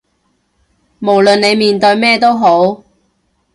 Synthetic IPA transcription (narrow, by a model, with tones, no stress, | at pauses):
mo˨˩wlɵ˨nne˨˧jmiː˨nt̪ɵ˧ɥmɛː˥˧t̪o˥wɦo˨˥w